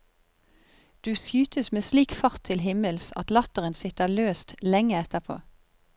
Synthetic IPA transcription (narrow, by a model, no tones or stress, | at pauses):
d̪̥ʉːsjʉːt̪əsmeːsliːkfɑʁt̪ʰɪlɦɪməlsɑ̰t̪lɑt̪əʁənsɪt̪əɑløːst̪lɛŋəɛt̪əpʰo̰ː